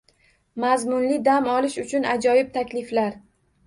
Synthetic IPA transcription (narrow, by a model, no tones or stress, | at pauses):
mazmʊnlɪd̪amɒlɪʃʊt͡ʃʰʊnad͡ʒɒjɪb̚t̪ʰakʲlɪflaɾ